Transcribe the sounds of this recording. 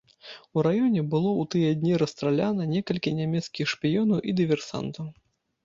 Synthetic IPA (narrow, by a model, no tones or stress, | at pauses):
uɾajɔnʲɛbɨlˠɔwt̪ɨjɛd̪ʲnʲiɾɐst̪ɾalʲanɐnʲɛkɐlʲkʲinʲamʲɛt̪skʲixʂpʲijɔnɐwʔid̪ɨvʲɛrsa̰nt̪ɐw